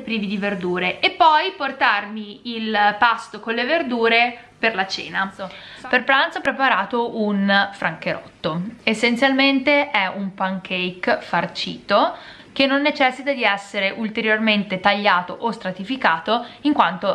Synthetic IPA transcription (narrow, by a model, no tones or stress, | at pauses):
pɾiːvid̪iverd̪uːɾeʔepːɔjport̪armiilpast̪okonleverd̪uːɾe | perlat͡ʃḛːnaperpɾant̪sopɾepaɾaːt̪ounfɾaŋkeɾɔ̰t̪ːoesːent̪sjalment̪eʔɛumpaŋkʰejkfart͡ʃḭːt̪o | k̟enːonːet͡ʃɛsːit̪ad̪iɛsːeɾeʔult̪eɾjorment̪et̪aʎːaːt̪oʔost̪ɾat̪ifikaːt̪oiŋkwant̪o